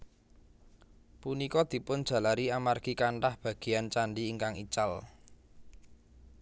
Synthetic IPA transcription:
punikɔd̪̥i̤pʊnd̥ʒ̥ä̤laɾiamarɡ̥ikaɳʈahb̥a̤ɡ̥i̤jant͡ʃaɳɖiːŋkaŋit͡ʃal

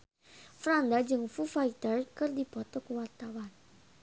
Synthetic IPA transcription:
fɾand̪ad͡ʒɨŋfufait̪ərkɨrdibɔt̪ɔkuwart̪awan

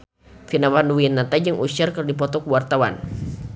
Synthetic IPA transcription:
finawanduwinat̪ad͡ʒəŋʔuʃarkərdip̬ɔt̪ɔkuwart̪awa̰n

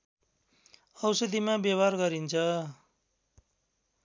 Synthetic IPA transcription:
ʌwsʌd̪imabjʌbarɡʌɾint͡sʰʌ

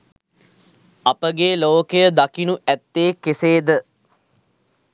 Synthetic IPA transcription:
apəɡeːloːkəjəd̪akinuʔæt̪ːeːkeseːd̪ə

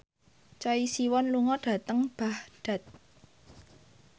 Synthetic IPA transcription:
t͡ʃɔisiwɔnluŋɔɖ̥a̤t̪əŋb̥ahɖ̥a̤t̪̚

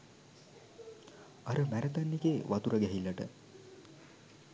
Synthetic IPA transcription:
aɾəmæɾət̪anːikeʋat̪uɾəɡɛɦilːɐʈə̰

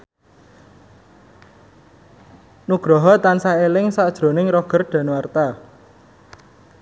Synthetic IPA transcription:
nuɡ̥ɾɔɦɔt̪ansaelɪŋsaʔd̥ʒ̥ɾo̤nɪŋrɔɡ̥ərɖ̥ä̤nwart̪a

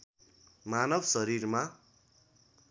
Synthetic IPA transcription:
manʌbsʌɾirma

